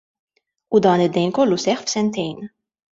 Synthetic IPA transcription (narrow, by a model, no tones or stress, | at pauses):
ud̪ɐːnɪd̪ːɛjnkɔlːusɛħfsɛnt̪ɛjn